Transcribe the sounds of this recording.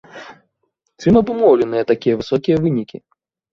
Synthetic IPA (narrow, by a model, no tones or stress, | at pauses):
t͡sʲimɐbɨmɔwlʲɛnɨjɐt̪akʲijɐvɨsɔkʲijɐvɨnʲikʲi